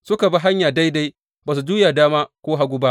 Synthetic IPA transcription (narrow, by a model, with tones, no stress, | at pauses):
sʊ˦ka˨ba˦ɦa˦ɲjaː˨da˦jda˦j | baː˨s̬u˨d͡ʒuː˦jaː˨daː˦maː˦kʷoː˦ɦa˦ɡʷu˦ba˦ʔ